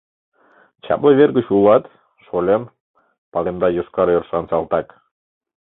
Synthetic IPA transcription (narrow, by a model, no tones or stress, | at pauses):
t͡ɕɑ̰pləβerɡət͡ɕulɑt̪ | ʃolʲen | pɑlemd̪ɑjoʃkɑɾørʃɑnsɑlˠt̪ɑk